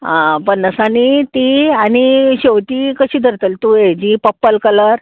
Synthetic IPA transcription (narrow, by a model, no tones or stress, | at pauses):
ãpəɳnəsanit̪ianiɕeʋt̪iːkəɕiːd̪ʱəɾt̪əlt̪ued͡ʑipəpːəlkələɾ